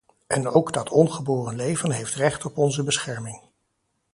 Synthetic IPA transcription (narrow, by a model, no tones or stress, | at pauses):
ʔɛnowɡdɑtʰɔnχəboːrənlejvənɦejftrɛχtɔpɔnzəbəsχɛɹmɪŋ